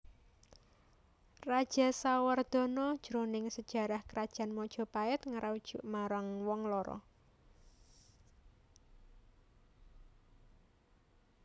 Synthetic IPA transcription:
rad̥ʒ̥a̤sawərd̪̥ɔ̤nɔd̥ʒ̥ɾonɪŋsəd̥ʒ̥a̤ɾahkəɾad̥ʒ̥a̤nmɔd̥ʒ̥ɔ̤paɛt̪ŋaɾʔaud̥ʒ̥uʔmaɾaŋwɔŋlɔɾɔ̰

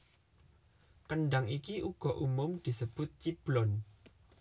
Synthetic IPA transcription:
kənɖaŋikiʔuɡ̥ɔ̤ʔumʊmd̪̥i̤səb̥ʊt̪̚t͡ʃib̥lɔn

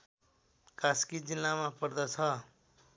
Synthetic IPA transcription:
kaskid͡zilːamapʌɾd̪ʌt͡sʰʌ

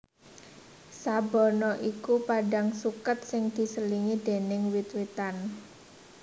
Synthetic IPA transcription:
sabɔnɔʔikupaɖaŋsukat̪̚sɪŋd̪̥i̤səliŋid̪̥e̤nɪŋwit̪wit̪an

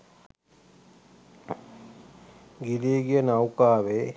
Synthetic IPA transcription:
ɡiliːɡijənawkaːʋeː

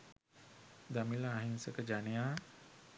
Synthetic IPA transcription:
d̪amilaːɦinsəkəd͡ʒanejaː

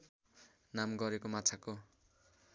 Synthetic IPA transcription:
namɡʌɾekomat͡sʰako

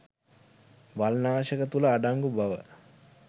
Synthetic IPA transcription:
ʋalnaːʃəkət̪uləːɖaŋɡubaʋə̰

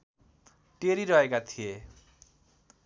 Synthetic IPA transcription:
ʈeɾiɾʌɦekat̪ʰije

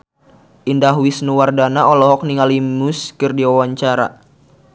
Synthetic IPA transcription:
ʔindaɦwisnuwardanaɔlɔɦɔk̚niŋalimuskɨrdiwawaɲt͡ʃaɾa̰

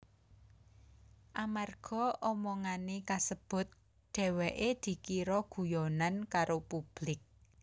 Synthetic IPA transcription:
ʔamarɡ̥ɔ̤ʔɔmɔŋanekasəb̥ʊ̤t̪̚ | ɖ̥ɛ̤wɛʔed̪̥i̤kiɾɔɡ̥ṳjɔnankaɾopub̥lɪk̚

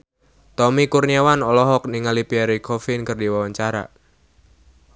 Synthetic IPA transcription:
t̪ɔmikurniawanɔlɔɦɔk̚niŋalipiaɾikʰɔfɪnkərdiwawaɲt͡ʃaɾa̰

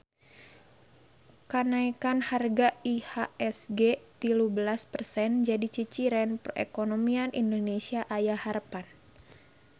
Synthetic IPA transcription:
kanaikanharɡaihaɛsɡet̪ilubəlaspərsɛnd͡ʒadit͡ʃit͡ʃiɾɛnpərḛkonomianʔindonesiaʔajaharpan

